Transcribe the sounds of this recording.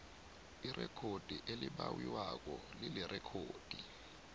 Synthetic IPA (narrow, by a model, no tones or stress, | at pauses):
irʔɛkʰod̥ʱiʔelɪɓawiwak̬ʼɔlɪlɪrʔɛkʰoːd̥ʱi